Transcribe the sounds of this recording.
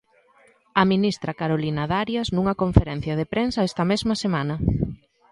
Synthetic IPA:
ɐminist̪ɾɐkaɾolinɐðaɾjɐsnuŋɐkoɱfeɾɛn̟θjɐð̞epɾensɐɛst̪ɐmezmɐsemanɐ

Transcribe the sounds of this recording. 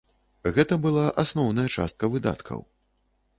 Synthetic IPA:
ɣɛt̪ɐbɨlˠaʔasnɔwn̪ɐjɐt͡ʂa̰st̪̚kɐvɨd̪a̰t̪kʰɐ̰w

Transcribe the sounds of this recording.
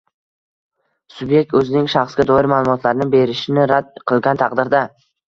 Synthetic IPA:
sʊbje̞k̚t̪ɵzɪnɪŋʃɑχsɡʲad̪ɒɪɾmaːlˠʊmɒt̪ʰlaɾnɪbe̞ɾɪʃɪnɪɾad̪̚qʰɨlˠɡʲant̪ʰɑqd̪ɪɾd̪a

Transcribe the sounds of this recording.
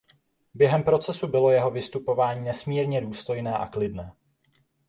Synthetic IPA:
bjɛɦɛmpɾo̞t͡sɛsubɪlo̞jɛɦo̞vɪst̪upo̞vaːɲiːnɛsmiːɾɲɛduːst̪o̞jnɛːʔa̰klɪdnɛː

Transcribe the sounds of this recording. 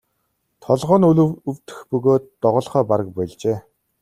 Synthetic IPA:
t̪ʰɔɮʁɔːnuɮɵɵwt̪ɘ̥̆xpɵɣoːt̪ːɔʁɞ̆ːɮχœːpaɾə̆k̚pæɮt͡ɕeː

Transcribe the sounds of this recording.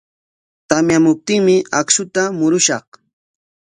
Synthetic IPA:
t̪amjamʊp̚t̪ɪŋmɪaksʊt̪amʊɾʊʃɑχ

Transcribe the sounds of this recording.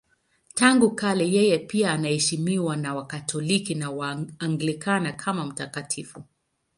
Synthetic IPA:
taŋɡukalɛjɛjɛpiaːnahɛʃimiwanawakatʰɔlikinawaːŋɡlikʰanakʰamam̩takatʰifu

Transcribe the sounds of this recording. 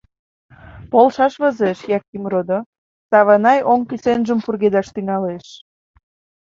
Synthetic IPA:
polˠʃɑʃβə̆zeʃjɑkːimrod̪o | sɑβɑnɑjoŋkysenʒəmpurɣed̪ɑʃt̪yŋɑleʃ

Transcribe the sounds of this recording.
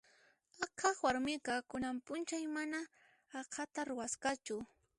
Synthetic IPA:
akʰɑχwaɾmɪqɑkʊnampʊnt͡ʃajmanaː | kʰat̪aɾʊwasqat͡ʃʊ

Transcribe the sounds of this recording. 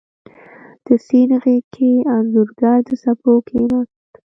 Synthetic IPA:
d̪̥əsinɣekʰeanzuɾɡaɾd̪əsapokʰena

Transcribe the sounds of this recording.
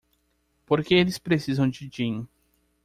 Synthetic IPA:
poɾkeelɪspɾesizɐ̃w̃d͡ʒɪd͡ʒĩŋ

